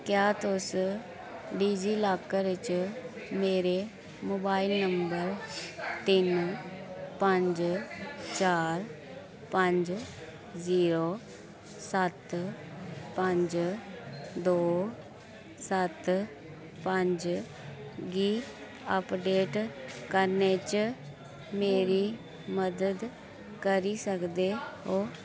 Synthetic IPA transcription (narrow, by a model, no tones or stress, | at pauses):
kjaːt̪ʊs | ɖiːd͡ʒiːlaːkəɾɪt͡ʃ | meːɾe | moːbaːɪlnəmbəɾt̪ɪn | pə̃ɲd͡ʒ | t͡ʃaːɾ | pə̃ɲd͡ʒ | ziːɾo | sət̪ | pəɲd͡ʒ | d̪oː | sət̪ | pəɲd͡ʒ | ɡiː | əpɖeːʈkəɾneːt͡ʃ | meːɾiː | məd̪əd̪ | kəɾiːsəkd̪eːɦoː